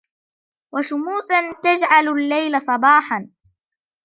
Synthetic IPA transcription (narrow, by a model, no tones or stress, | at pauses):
waʃʊmuːθant̪ad͡ʒʕallːajlasˤɑbɑːħan